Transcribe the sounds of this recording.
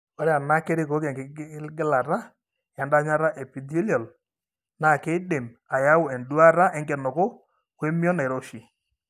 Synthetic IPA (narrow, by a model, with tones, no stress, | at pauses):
ɔ˦ɾɛ˦a˨na˦ke˦ɾɪ˦ko˨˦kɛ˨ŋɡɪ˨˦ɡɪ˦la˨ɾa˦ | ja˨nda˦ɲa˦ɾa˦ʔɛ˨pi˨do˦ljɔ˨l | na˨ke˦de˨ma˨ja˦wʊ˨ɛ˨ndu˦a˦ɾa˦ʔɛ˦ŋɡɛ˨nʊ˨kʊ˦ | kwe˦mjɔ˦na˨ɪ˨ɾo˦ʃi˨